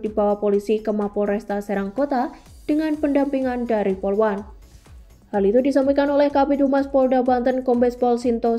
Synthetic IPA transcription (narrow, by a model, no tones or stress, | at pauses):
d̥ib̥awahpolisikəmapɔrɛst̪aseɾaŋkot̪a | d̥əŋanpəndampiŋandaɾipɔlwan | halit̪udisampɛkanolɛhkapid̪umaspɔldabant̪ənkɔmbɛspɔlsint̪ɔ